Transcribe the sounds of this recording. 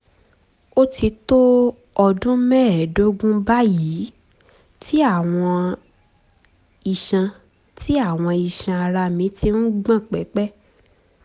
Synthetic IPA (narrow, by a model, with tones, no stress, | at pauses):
o˦ti˧to˦ | ɔ˧dũ˦mɛ̃˦ɛ˨do˦ɡũ˦ba˦ji˨˦ | tʰi˦a˦˨w̃ɔ̃˧ | i˨ʃã˧ | ti˦a˦˨w̃ɔ̃˧i˨ʃã˧a˧ɾa˧mĩ˨˦ti˧n̩˦ɡ͡bã˦˨k͡pɛ˨˦k͡pɛ˦